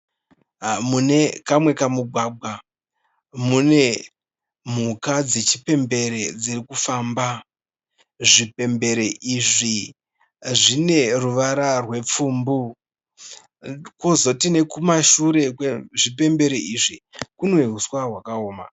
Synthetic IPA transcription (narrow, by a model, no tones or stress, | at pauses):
mune̞kamwe̞kamuɡʱwaːɡʱwa | mune̞ | m̤ukad͡zet͡ʃipe̞mbe̞ɾed͡zirikufaːmba | ʐipe̞mbe̞ɾeʔiʐi | ʐine̞ruʋaɾarwe̞p͡fuːmbu | kozo̞tine̞kumaʃuɾe̞kweʐipe̞mbe̞ɾeiʐikunweɦuswaɦwakaoːma̰